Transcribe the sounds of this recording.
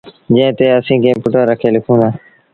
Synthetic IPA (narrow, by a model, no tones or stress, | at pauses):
d͡ʒə̃ɦɪ̃t̪eːəsĩːkẽːpʊʈəːɾəkʰeːlɪkʰũːnd̪ãː